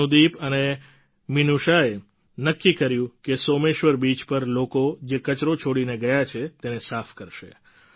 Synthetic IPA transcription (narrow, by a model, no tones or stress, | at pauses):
ũd̪ipəne | minuʃae | nəkːikəɾjũkesomeʃʋəɾbit͡ʃpəɾlokod͡ʒekət͡ʃɾot͡ʃʰoɽineɡəjat͡ʃʰet̪enesafkəɾʃḛ